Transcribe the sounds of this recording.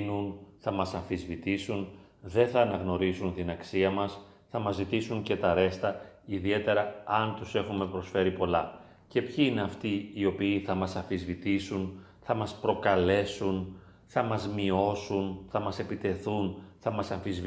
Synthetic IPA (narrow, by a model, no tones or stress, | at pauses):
nunθɐmɐsɐfizvit̪isun | ðe̞θɐːnɐɣno̞ɾisunt̪inɐksiɐmɐs | θɐmɐzit̪isuɲce̞t̪ɐɾe̞st̪ɐiðie̞t̪e̞ɾɐɐnt̪use̞xume̞pɾo̞sfe̞ɾipo̞lɐ | ce̞pçiine̞ɐft̪iio̞piːθɐmɐsɐfizvit̪isun | θɐmɐspɾo̞kɐle̞sun | θɐmɐzmio̞sunθɐmɐse̞pit̪e̞θunθɐmɐsɐɱfizv